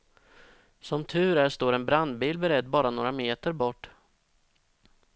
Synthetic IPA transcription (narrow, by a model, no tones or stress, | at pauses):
sɔmt̪ʰʉ̟ːɾæʂt̪oːɾɛnbɾand̪biːlbɛɾɛd̪ːbɑːɾanoːɾameːt̪əɾbɔʈː